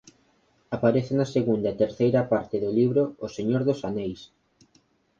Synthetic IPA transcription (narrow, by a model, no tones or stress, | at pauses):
apaɾeθenɐseɣund̪ɐet̪eɾθejɾɐpaɾt̪ɪðʊliβɾʊːseɲoɾðʊsanejs